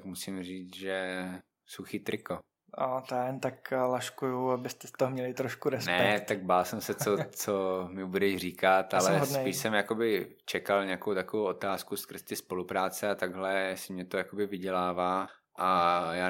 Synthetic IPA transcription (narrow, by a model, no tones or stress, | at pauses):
t̪kmusɪmriːt͡sʒɛ | suxiːt̪ɾɪko | at̪jaːjɛnt̪aklaʃkujuabɪst̪ɛst̪oɦomɲɛlɪt̪ɾoʃkuɾɛsnɛɛt̪aɡ̚baːlsɛmsɛt͡sot͡somɪbudɛʃr̝iːkat̪alɛɦosdnɛiːʃsɛmjakobɪt͡ʃɛkalɲɛakowt̪akovowot̪aːskuskr̩zt̪ɪspo̞lupɾaːt͡sɛat̪aɡɦlɛsɪmɲɛt̪ojakobɪvɪɟɛlaːvaː | ʔajaː